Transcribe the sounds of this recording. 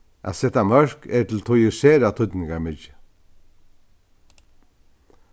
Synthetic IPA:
ʔa̰ːsɛt̪amœɹkɛt̪ʰɪl̩t̪ʰʊjəseːɾat̪ʰʊt̪nɪŋɡaɾmɪt͡ʃə

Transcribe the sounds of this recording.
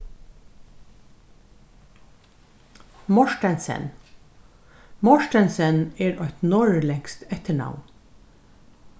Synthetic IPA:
mɔʃʈənsə̰n | mɔʃʈənsəneːɾœʏt̪nɔɹlɛŋst̪ʰɛt̪əɳɑ̰ʋn

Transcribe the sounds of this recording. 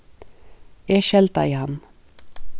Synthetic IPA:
eːʃɛlt̪ɑ̰iːhɑn

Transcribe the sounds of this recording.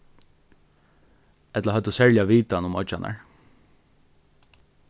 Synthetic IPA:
ɛt̪laɦœt̪ʊsɛɹljaʋiːt̪anʊmɔt͡ʃa̰nʔa̰ɹ

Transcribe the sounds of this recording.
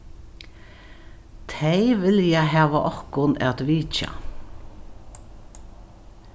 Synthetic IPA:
t̪ʰeɪʋɪljaɦæːʋaʔɔhkʊnɛ̰t̪ʋiːt͡ʃa̰

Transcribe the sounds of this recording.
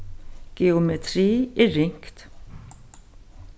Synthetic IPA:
ɡ̥ɛʊmɛt̪ʰɾiːɛɾɪŋkt̪

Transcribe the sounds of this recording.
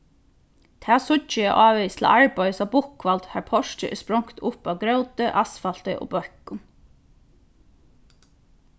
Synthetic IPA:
t̪ʰæːsʊt͡ʃːəjɛʔɑːʋɛst̪ʰl̩a̰ʔaɹpajəsabʊhkʋalt̪haɹpʰɔʃt͡ʃə̰ʔspɾɔŋkt̪ʰʊpaʋɡɾœwt̪əʔasfalt̪ə̰ʔo̰ːbœhkʊn

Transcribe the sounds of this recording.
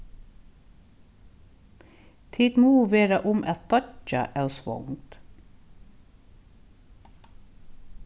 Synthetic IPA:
t̪ʰiːt̪muːʋeːɾɑʔʊmʔɛt̪̚d̪ɑə̰ʔæʉsʋɔ̰ŋt̪

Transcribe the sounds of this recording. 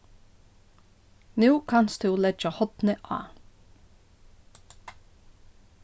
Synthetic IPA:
nʉːkʰɑnsd̪ʉːlɛd͡ʒəhɔt̪nəʔɑ̰ː

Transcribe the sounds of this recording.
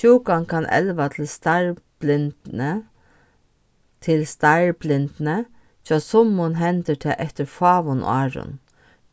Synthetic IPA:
uːkankʰɑnʔɛ̰lʋat̪ʰl̩st̪aɹblɪnnə | t̪ʰɪlst̪aɪɹblɪnt̪nə | t͡ʃʰɑsɔmːʊnɦɛnt̪əʈʰɛ̰ʔɛft̪əɾfɑːʋʊn̰ɑːɹʊ̰n

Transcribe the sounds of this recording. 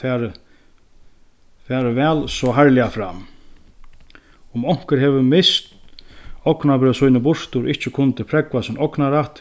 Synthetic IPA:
ɛːɾ | fɛːɾəvɛːlsɔɦaɾlɪafɾam | ʊmɔŋ̥kɪɾɦɛvɪmɪst̪ | ɔknabɾœːsujnɪbʊɾ̥t̪ʊɾʔɪht͡ʃɪkʰʊnt̪ɪpʰɾɛkvasɪnɔknaɾaht̪

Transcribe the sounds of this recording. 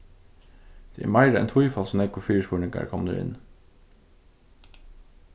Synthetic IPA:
d̪̥eːʔæ̰ːmæɪɾəɛ̰nt̪ʰʊjfɑlsɔmnɛkʰʊfyːəʂpuːɳɪŋɡɑ̰ɹkʰɔmd̪ə̰ːʔɪ̰n

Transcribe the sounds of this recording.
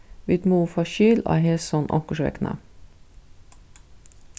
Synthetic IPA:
ʋid̪muːfɑʃyːlɑ̰hɛlsɔnʔɔ̰ŋkəʃʋɛ̰knə̰

